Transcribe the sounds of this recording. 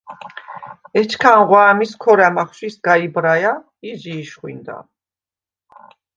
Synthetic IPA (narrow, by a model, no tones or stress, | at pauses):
ɛt͡ʃʰkʰanʁwaːmiskʰɔɾamaχʃwisɡaibɾaja | iziːʃχwḭnd̪a̰